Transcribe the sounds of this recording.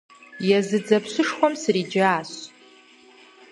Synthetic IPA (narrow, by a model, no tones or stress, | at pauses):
jazɨd͡zapʰsɨʂχʷamsrid͡ʒaːs